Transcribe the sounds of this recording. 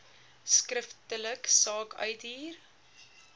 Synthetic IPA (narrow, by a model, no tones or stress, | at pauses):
skrəftələksɑːkœ̰ɥtiːr